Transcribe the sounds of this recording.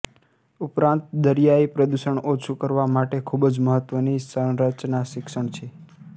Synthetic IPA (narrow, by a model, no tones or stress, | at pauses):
upɾãnt̪̚d̪əɾjaipɾəd̪uʃəɳot͡ʃʰukəɾʋamaʈekʰubd͡ʒməɦət̪ʋənisə̃ɾət͡ʃnaʃɪkʃəɳt͡ʃʰe